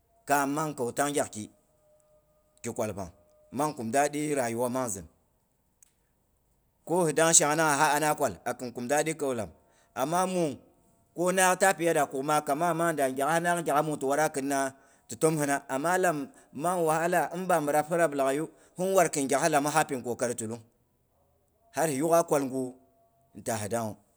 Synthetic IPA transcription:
ka˨ma˦ŋka˨wta˦ŋɡʲa˨kki˨ | ki˨kʷa˨lpa̰˨ŋ | ma˦ŋku˨mda˦ɗi˦ɾa˨ju˦wa˦ma˦ŋzɨ̰˨n | ko˦hi˨da˦ŋ˦ʃa˨˦ŋ˨na˦ŋa˨ɦa˦a˨˦na˦kʷa˨la˨kɨ˨nku˨mda˦ɗi˦ka˨wla̰˨m | a˨mːa˦mu˨ | ko˦na˦kta˦pi˨ja˦da˨ku˨kma˦ka˨ma˦˨ma˦ŋ˦nda˨ɡʲa˨a˦hna˦kɡʲa˨ka˦mu˨tu˨wa˦ɾa˦kɨ˨n˦na˦ | tu˨to˦mhɨ˦na˦a˨mːa˦la˨mː | a˦ŋ˨wa˨ha˦la˨ɨ˦nba˨mə˨ɾa˦phɨ˦ɾa˦bla˨ɡa˨ju˦ | hu˦n˦wa˨ɾkɨ˨nɡʲa˨ka˦la˨ma˦ɦa˦pi˨ŋko˨ka˨˦ɾtu˨lu˦ŋ | ha˦ɾhi˨ju˦ka˦kʷa˨lŋɡu˦˨ | n˨ta˨ɦi˨da˦ŋu˨

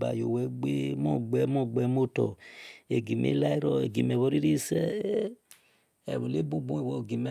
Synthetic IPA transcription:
ba̰˨jo˨wɛ˦ɡ͡be˦mɔ˦˨ɡ͡bɛ˦mɔ˦ɡ͡bɛ˨˦mo˦tɔ̰˨e˨ɡi˨mḛ˦la˦i˦ɾɔ˦ḛ˨ɡi˨mɛ˨βɔ˦ɾi˦ɾi˦sɛ˦ | ɛ̰˨βu˨le˦bu˦ɡ͡bũ˦e˦˨wɔ˨ɡi˨mɛ˦

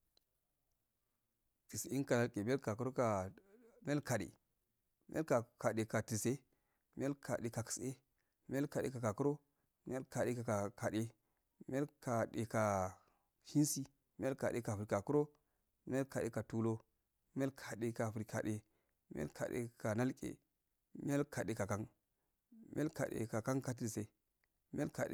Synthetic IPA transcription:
ti˨si˦nka˨la˦lkʼe˨m˦e˦lka˨ku˦ɾo˦ka˨m˦e˦lka˨ɗḛ˨ | m˦e˦ka˨ka˨ɗe˨ka˨ti˨se˦ | m˦e˦lkʰa̰˨ɗe˨ka˨ki̥˨se˦ | m˦e˦lka˨ɗḛ˦ka˨ka˨ku˦ɾo˦ | m˦e˦lka˨ɗe˦ka˨a˨ka˨ɗe˦ | m˦e˦lka˨ɗḛ˨ka˨ | hi˦nsi˦ | mi˦a˦lka˨ɗe˨ka˨fu˨ɾi˨ka˨ku˦ɾo˦ | mi˦ja˦lka˨ɗe˨ka˨tu˦lo˦ | mi˦a˦lkʰa˨ɗe˨ka˨fɾi˨ka̰˨ɗe˨ | mḭ˦a̰˦lka̰˨ɗḛ˨ka˨na˦lkʼḛ˨ | mi˦a˦lka˨ɗe˨ka˨ka˦ŋ | mi˦a˦ka̰˨ɗḛ˨ka˨ka˦ŋka˨t̬i˨lse˦ | mi˦a˦lka̰˨

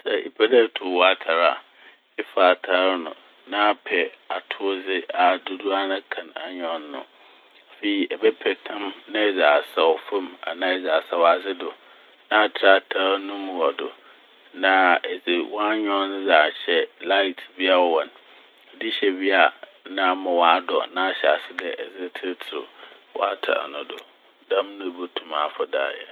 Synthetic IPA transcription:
sɛ˨ḭ˨pʰɛ˦da˦˨tʰʊ˨wɔ˨a˦tʰa˨ɾa̰˨ | ɪ˦fa˨a˨tʰa˦ɾnʊ̰̃˨ | nã˦pʰɛ˨a˨tʰʊ˦d͡zɪ˦ʔa˨dʊ˦dʊ˦a˦nã˦kʰã˨na̰˨ɲᶣɔ̃˨˦nː˦ʊ̰̃˨ | fe˨i˨ʔɛ˨bɛ˦pʰɛ˨tʰã˦mnɪ̃˦˨d͡za˨a˨sa˨wfã˦ma̰˨nã˦ɛ˨d͡za˨sa˨wa˨d͡zɪ˦dʊ˨ | nã˦˨tʰɾa˦tʰa˦nʊ̃˦mũ˨ɔ˨dʊ˨ | nã˨ɛ˨d͡zɪ˨wɔ̃˦a˦ɲᶣɔ̃˦n˦za˨ɕɛ˨la˦ɪ˨tʰbi˦a˦˨wɔ̃˨n˨ | dɪ˦ɕɛ˨bi˦a˨nã˦mã˨wã˨˦a˦dɔ˨nã˦a˨ɕɛ˨a̰˨sɪ˦dɛ˨ɛ˨zɪ˦tʰɪ˦tʰɪ˨ɾʊ̰˨ | wɔ̰˦a˦tʰa̰˨a̰˨nʊ̃˨dʊ˨ | dã˦mnʊ̃˦˨bo˦tʰũ˨ma˨fɔ˨da̰ː˦˨jɛ̰˨

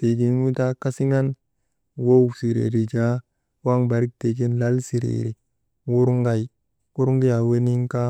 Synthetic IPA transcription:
te˨ɡi˨nwu˦ta˦ka˦si˦ŋa˦n | wo˦wsi˨ɾḛ˨ɾi˨d͡ʒa˦ | wa˦ŋba˨ɾi˦k̚te˨ɡi˦nla˦lsi˨ɾḛ˨ɾi˨ | wu˦ɾu˦ŋɡa˦j | ku˦ɾu˦ŋɡi˦ja˨we˦ni˦ŋka˦

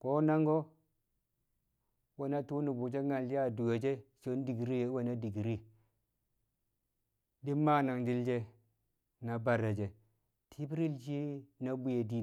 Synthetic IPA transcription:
ko˦na˦ŋɡo˦ | wa˨na˦tu˦nu˨bu˨d͡ʒe˦ŋa˨li˦ja˦˨du˨we˨d͡ʒe˦so˨˦n˦di˨ɡi˨ɾi˦je˨˦wo˨na˦di˨ɡi˨ɾi˦ | di˦mma˦na˨ŋdi˦ld͡ʒe˦ | na˨ba˨ɾa˨d͡ʒe˨ | tʰi˦bi˦ɾi˦ld͡ʒi˦na˦bu˦je˨di˦˨

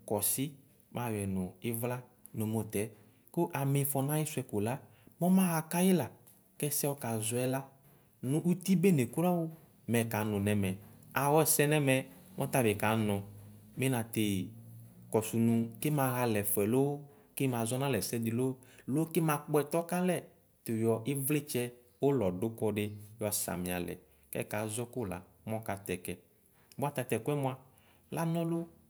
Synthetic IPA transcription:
kɔ˨sɪ˦ | mʔã˨˦wɛ˨nʊ̃˨ɪ˦vla˦ | no˨mo˦t̪ɛ˨˦ | ko˦ʔa˨mɪ̃˨fɔ˧nã˦jɪ˦sʊ˨˦ɛ˦ko˨la˦ | mɔ̃˦mã˦ɣa˨ka˦jɪ˦la˨ | kɛ˦sɛ˦wɔ˦ka˨zʊ˨ɛ˦la˦ | nʊ̃˦ʔu˦t̪i˦be˦ne˨ku˦ɾa˦wo˦ | mɛ˨ka˨˦nʊ̃˨nɛ̃˨mɛ̃˨a˨wɔ˦˨sɛ˦nɛ˦mɛ˨mʔɔ˦t̪a˦bɪ˨ka˨˦nɔ̃˨ | mẽ˦nã˨t̪e˨ | kɔ˨su˨nũ˨˧ke˦mã˨ɣa˧lɛ˨fɛ˨lo˦ | ke˦mã˨zɔ˦nã˦lɛ˨sɛ˦d̪i˨lo˦lo˦ke˦mã˨˦k͡pɛ˨t̪ɔ˦ka˦lɛ˦ | t̪o˨jɔ˨ʔi˦vle˦t͡ʃɛ˦ | wo˦lɔ˨do˦kɔ˦ɖe˦jɔ˨sa̰˨mĩ˨a˨lɛ̰˨ | kɛ̰˦ka˨˦zɔ˦ko˦˨la̰˨ | mɔ̃˦ka˨t̪ɛ˨kɛ˨ | ba˦t̪a˧t̪ɛ˨kwɛ˦mõ˦ã˨ | la˦nɔ̃˦lo˦

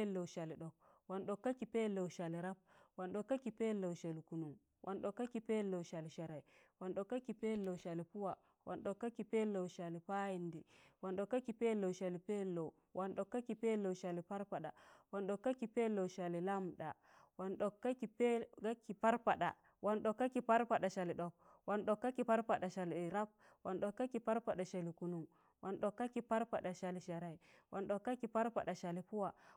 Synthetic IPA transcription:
lːo˨wʃa˨li˨ɗɔ˨k̚ | wa˨nɗɔ˨kːa˦kːi˨pe˦lːo˨wʃa˨li˨ɾa˦p̚wa˨nɗɔ˨kːa˦kːi˨pe˦lo˨wʃa˨li˨ku˨nu˨m | wʔa˨nɗɔ˨kːa˦kːi˦pe˦lːo˨wʃa˨li˨ʃa˨ɾa˨iwa˨nɗɔ˨kːa˦kːi˨pe˦lːo˨wʃa˨li˨pu˦wa˨ | wa˨nɗɔ˨kːa˦kːi˨pe˦lo˨wʃa˨li˨pa˦ji˦ndi˨wa˨nɗɔ˨kːa˦kːi˨pe˦lo˨wʃa˨li˨pe˦lːo˨w | wʔa˨nɗɔ˨kːa˦kːi˨pe˦lo˨wʃa˨li˨pa˦ɾpa˨ɗa˨wa˨nɗo˨kːa˦kːi˨pe˦lo˨ʃa˨li˨la˦m˨ɗa˨ | wa˨nɗo˨kːa˦ki˨pe˦ka˦kːi˨pa˦ɾpa˨ɗa̰˨ | wʔa˨nɗo˨kːa˦kːi˨pa˦ɾpa˨ɗa˨ʃa˨li˨ɗo˨k̚ | wa˨nɗo˨kːa˦ki˨pa˦ɾpa˨ɗa˨ʃa˨li˨ɾa˦p̚ | wa˨nɗo˨kːa˦ki˨pa˦ɾpa˨ɗa˨ʃa˨li˨ku˨nu˨m | wa˨nɗo˨kːa˦kːi˨pa˦ɾpa˨ɗa˨ʃa˨li˨ʃa˨ɾa˨i˨wʔa˨nɗo˨kːa˦kːi˨pa˦ɾpa̰˨ɗa˨ʃa˨li˨pu˦wa˨

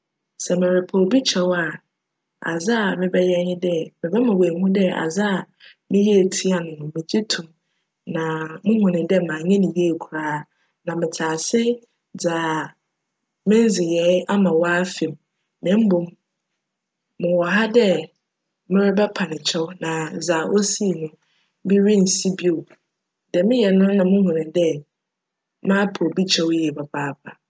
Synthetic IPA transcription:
sɛ˨mɪ̃˨ɾɪ˨pʰɔ˨lbi˦t͡ɕʰɛ˦wa˨ | a̰˨za˦a˨mɪ̃˦bɛ˦jɛ˦ɲɪ̃˦dɛ˦mɪ̃˨bɛ˦mã˨we˨mũ˦dɛ˦a̰˨za˦a˨ | mɪ̃˦ji˦e˨tʰi˦a˨nʊ̃˨mʊ̃˨mɪ̃˨d͡ʑi˦tʰũ˨ | nã˨mʊ̃˦hʊ̃˨nɪ̃˨dɛ˦mã˨ɲɛ̃˦nɪ̃˨ji˦e˦˨kʰu˨ɾaː˦ | nã˨mɪ̃˨tʰaː˨sɪ˦ | d͡za˨ | mɪ̃˦n˦zɪ˨jɛ˨˦a˦mã˨wa˦fɪ˨m | mɪ̃˦m̩˦bʊ˨m | ʊ̃˨wɔ˨ɦa˦dɛ˦ | mɪ̃˦ɾɪ˦bɛ˦pʰa˨nɪ̃˨t͡ɕʰɛ˦wnã˨za˨ʔo˦si˦˨nʊ̃˦ | bi˦ɾi˦n̩˨si˦bi˦o˨ | d̥ɛ˨mɪ̃˦jɛ˨nʊ̃˦nã˨mʊ̃˦hʊ̃˨nɪ̃˨dɛ˦ | mã˦pʰo˨bi˦t͡ɕʰɛ˦wjɛ˨bɛ˨baː˦pʰa˨

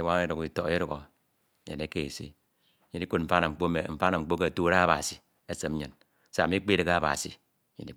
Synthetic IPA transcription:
i˨˦wa˦ŋe˦ɾu˨ki˨to˨˦e˦ɾu˨ɣo˨˦ | ɲḛ˨ne˦ke˦˨e˨sḛ˦ | ɲi˦ni˦ku˦t̚m̩˨fa˦na˨ŋ͡m̩˨k͡po˦me˨m̩˦˨fa˦na˨ŋ͡m̩˨k͡po˦k̬e˦˨tu˦ɾa˦a˦ba̰˨si˨ | e˦se˨m˦ɲɨ˨n˦ | sa˦˨mi˦k͡pi˦ɾɨ˨ɣa˨ba̰˨sḭ˨ | ɲḭ˨ni˨˦

